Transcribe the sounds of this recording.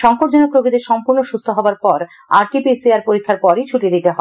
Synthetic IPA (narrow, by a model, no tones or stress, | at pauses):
ʃɔŋkoʈd͡ʑonokɾoɡid̪eɾʃɔmpuɾnoʃust̪ʰoɦɔboaɾpɔɾ | a̰ɾʈipisiaɾpoɾikʰːaɾpɔɾet͡ɕʰuʈid̪it̪eɦɔe